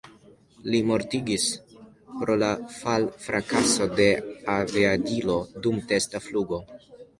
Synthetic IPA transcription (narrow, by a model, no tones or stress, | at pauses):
limo̞ɾtiɡis | pɾo̞lafalfɾʔakaso̞de̞aveadilo̞dumte̞stafluɡo̞